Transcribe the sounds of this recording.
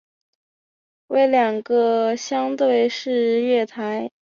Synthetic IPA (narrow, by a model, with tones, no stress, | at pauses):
we˧˥ɪljɑ˨˩ŋɡə˧ɕjɑ˥ŋt̪we˥˩ɪʂɻ̩˥˧ɥɛ˥˩t̪ʰa˧˥ɪ